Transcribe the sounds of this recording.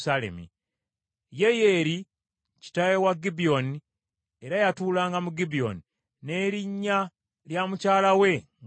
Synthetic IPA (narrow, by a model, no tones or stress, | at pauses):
sale̞̰mḭ | je̞je̞ɾi | ci̥tajewaɡibio̞ni | eɾajatuːlaːŋɡamuɡibio̞̰ni | ne̞ːɾiɲːa | ljamucaːlawe̞ŋ